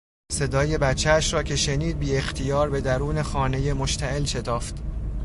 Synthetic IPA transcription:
se̞d̪ɒːje̞bæt͡ʃʰːææʃɾɒːcʰe̞ʃe̞niːd̪̚biːe̞xt̪ʰijɒːɾbe̞d̪æɾuːne̞xɒːne̞je̞moʃt̪ʰæʔelʃe̞t̪ʰɒːft̪

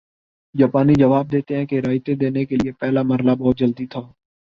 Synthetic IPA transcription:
d͡ʒaːpaːniːd͡ʒəʋaːb̚d̪eːt̪eːɦɛ̃ːkeɾaːjt̪eːd̪eːneːkelɪeːpɛːlaːməɾlaːbɔːt̪̚d͡ʒəld̪iːt̪ʰaː

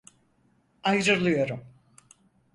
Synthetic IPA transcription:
ajɾɯɾlˠɯjo̞ɾum

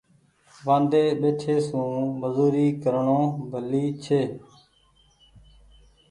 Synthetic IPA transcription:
ʋãːnd̪eːɓeːʈʰeːsũːməzuːɾiːkəɾɳõːbʱəliːt͡ʃʰeː

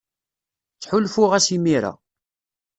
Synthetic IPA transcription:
t͡sːħʊlfʊʁæsimiɾa̰

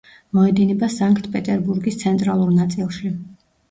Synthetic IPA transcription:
mɔɛd̪inɛbasaŋkʰt̪ʰpʼɛt̪ʼɛɾbuɾɡist̪sʰɛnt̪ʼɾalˠuɾnat̪sʼilˠʃi

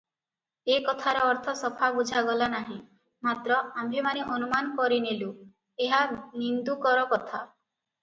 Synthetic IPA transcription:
ekɔt̪ʰaɾɔɔɾt̪ʰɔsɔpʰabud͡ʒʱaɡɔlanaɦĩ | mat̪ɾɔambʱemaneʔɔnumanɔkɔɾinelu | eɦanind̪ukɔɾɔkɔt̪ʰa

